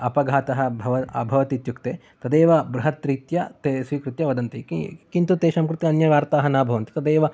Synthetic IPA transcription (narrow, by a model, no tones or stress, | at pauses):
ɐpɐɡʱaːt̪ɐɦɐbʱɐʋɐɐ̰bʱɐʋɐt̪it̪jukt̪eː | t̪ɐd̪eːʋɐbɾuɦɐt̪ɾiːt̪jɐt̪esʋiːkɾut̪jɐʋɐd̪ɐnt̪ikint̪ut̪eːʃɐmkɾut̪iɐnjɐʋaːɾt̪aːɦɐnaːbʱɐʋɐnt̪i̥t̪ɐd̪eːʋɐ